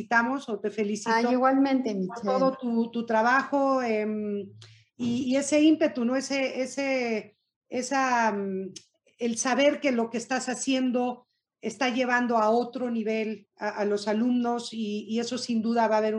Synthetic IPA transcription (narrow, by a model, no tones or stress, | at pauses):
it̪amo̞so̞t̪e̞fe̞lisiatoiɣwalmẽnt̪emit̪oðot̪ut̪ut̪ɾaβaxo̞em | iːe̞se̞impe̞t̪uno̞e̞se̞ese | esa | elsaβe̞ɾke̞lo̞kest̪asasje̞nd̪o̞ | e̞st̪aʝe̞βand̪o̞ao̞t̪ɾo̞niβ̞e̞l | aʔalo̞salumno̞siːe̞so̞sind̪uðaβaːβe̞ɾu